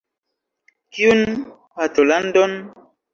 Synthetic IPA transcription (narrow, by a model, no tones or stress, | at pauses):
kiun | patolandɔn